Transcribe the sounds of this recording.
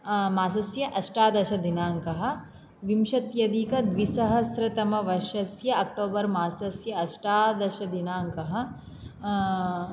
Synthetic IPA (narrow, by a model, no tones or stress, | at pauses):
maːsɐsjɐʔɐʃʈaːd̪ɐʃɐd̪inaːŋkɐɦɐ̆ | ʋimʃɐt̪jɐd̪iːkɐd̪ʋisɐɦɐsɾɐt̪ɐmɐʋɐʃɐsjɐɐk̚ʈoːbɐɾmaːsɐsjɐɐʃʈaːd̪ɐʃɐd̪inaːŋkɐɦɐ̆